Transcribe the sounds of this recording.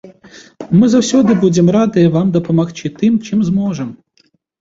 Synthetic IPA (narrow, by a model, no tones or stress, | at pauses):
mɪzɐwsʲud̪ɪbudʲɪmɾɑd̪ɪʋɑmd̪ɔpɔmɐxt͡ʃɪt̪ɪmt͡ʃɪmzmɔʒɛm